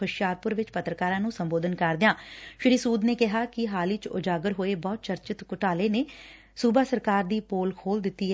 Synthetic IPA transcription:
ʊʃjaːɾpʊɾʋɪt͡ʃpət̪ɾəkaːɾãːnũːsəmboːd̪ənkəɾd̪ɪjãːʃɪɾiːsuːd̪neːkɪɦaːkɪɦaːlit͡ʃʊ̰d͡ʒaːɡəɾɦoːeːbɔːt̪̚t͡ʃəɾt͡ʃɪt̪kʊʈaːleːneː | suːbaːsəɾkaːɾd̪iːpoːlkʰoːld̪ɪt̪ːiː

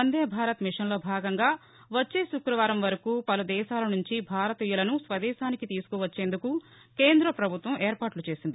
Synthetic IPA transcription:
ɐnd̪eːɐbʱaːɾɐt̪miʂɐnlo̞ːbʱaːɡɐŋɡaː | ʋɐt͡ʃːe̞ːʃukɾɐʋaːɾɐmʋɐɾɐkuːpɐlud̪ɛːʃaːlɐnuɲt͡ʃibʱaːɾɐt̪iːjulɐnusʋɐd̪ɛːʃaːnikit̪iːsu̥kɔʋɐt͡ʃːeːnd̪uku | ke̞ːnd̪ɾɐpɾɐbʱut̪ʋɐmʔeːɾpaːʈlut͡ʃe̞ːsind̪i

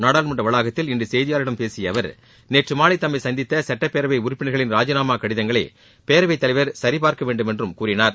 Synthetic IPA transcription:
naːɽaːlmɐɳɖrɐʋɐɭaːɣɐt̪ːɪlɪndrɯsɛjðɪjaːɾɪɽɐmpeːsɪjɐʋɐɾ | neːʈrɯmaːɭɪt̪ːɐmːɐɪsɐnd̪ɪt̪ːɐsɐʈːɐpːeːɾɐʋɐɪʊɾʊpːɪɳɐɪɣɐɭɪnɾaːd͡ʒɐnaːmaːkɐɽɪðɐŋɡɐɭɐ̰ | peːɾɐʋɐɪt̪ːɐlɐɪʋɐɾsɐɾɪpaːɾkɐʋeːɳɖɯmɛndrɯmkuːɾɪnaːɾ

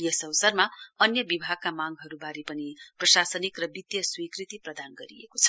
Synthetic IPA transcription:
jʌsʌwsʌrmaʌnjʌbibʱaɡ̚kamaŋɦʌɾubaɾipʌniprʌsasʌnikrʌbid̪jʌswikrit̪iprʌd̪anɡʌɾiḛkot͡sʰʌ̥

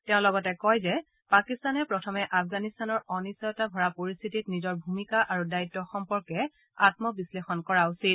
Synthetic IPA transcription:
teʊ̃lɔɡɔtɛkɔjzɛ | pakistanɛpɹɔtʰɔmɛʔapʰɡanistanɔɹɔnisɔjɔtabʱɔɹapoɹist̪ʰititnizɔɹbʱumikaʔaɹudaitːɔxɔmpɔɹkɛ | atmɔbislexɔnkɔɹausit̚

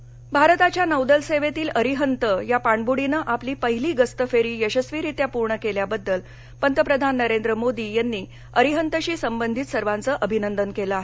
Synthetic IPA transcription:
bʱaɾt̪at͡ɕjanəwd̪əlseʋet̪iːlʔəɾiɦənt̪əjapaɳbuɽinəʔapliːpəɦiliːɡəst̪əfeɾiːjəɕəsʋiːɾit̪japuɾɳəkeljabəd̪ːəl | pənt̪əpɾəd̪ʱanːəɾend̪ɾəmod̪iːjanːiː | əɾiɦənt̪əɕiːsəmbənd̪ʱit̪səɾʋant͡səːʔəbʱinənd̪ənkeləaɦe

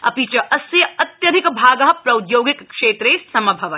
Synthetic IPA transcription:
ɐ̰pit͡ʃɐʔɐsjɐɐt̪jɐd̪ʱɪkbʱaːɡɐɦɐpɾɐwd̪joːɡikːʂeːt̪ɾeːsɐmɐbʱɐʋɐ

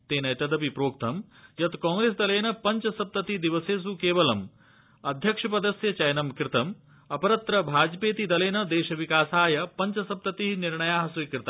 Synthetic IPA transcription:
t̪eːnɐjt̪ɐd̪ɐpipɾoːkt̪ʰɐmjɐt̪kɔ̃ːŋɡɾeːsd̪ɐleːnɐpɐɲt͡ʃɐsɐp̚t̪ɐt̪id̪iʋɐseːs̬ukeːʋɐlɐm | ɐd̪ʱjɐkʂɐpɐd̪ɐsjɐt͡ʃɐjnɐmkɾɪt̪ɐm | ɐpɐɾɐt̪ɾɐbʱaːd͡ʒpeːt̪id̪ɐleːnɐd̪eːʃɐʋikaːsaːjɐpɐɲt͡ʃɐsɐp̚t̪ɐt̪iɦiniɾɳɐjaːɦɐsujkɾɪt̪ɐ

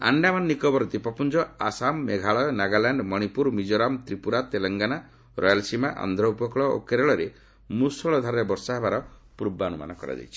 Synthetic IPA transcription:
a̰ɳɖamanːikɔbɔɾɔd̪ipɔpund͡ʒɔasamːeɡʱaɭɔjnaɡalaɳɖmɔɽ̃ipuɾmid͡ʒoɾamt̪ɾipuɾat̪elɔŋɡana | ɾɔjalsimaʔa̰nd̪ʱɾɔupɔkɭɔo̰keɾeɭɔɾe | musɔɭɔd̪ʱaɾɾebɔɾsaɦebaɾɔpuɾbaɔnuma̰nɔkɔɾa̰d͡ʒa̰jt͡ʃʰi

